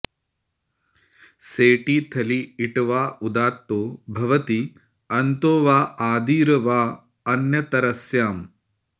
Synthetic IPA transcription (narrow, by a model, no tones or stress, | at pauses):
seːʈiːt̪ʰɐliiʈʋaːud̪aːt̪ːoːbʱɐʋɐt̪i | ɐnt̪oːʋaːaːd̪iːɾɐʋaː | ɐnjɐt̪ɐɾɐsjaːm